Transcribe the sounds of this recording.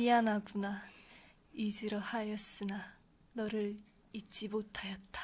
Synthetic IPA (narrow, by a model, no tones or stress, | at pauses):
ianaɡuna | id͡ʑiɾʌhajʌs͈ɯna | nʌɾɯɾ | it̚t͡ɕ͈imotʰajʌt̚t͈ḁ